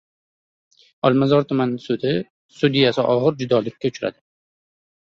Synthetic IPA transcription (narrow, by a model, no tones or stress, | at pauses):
ɒlˠmazɒɾt̪ʰʊmanɪsʊd̪ɪ | sʊd̪ijasɪʔɒʁɨɾd͡ʒʊd̪ɒlɪkʲːaʊt͡ʃʰɾa̰d̪ɪ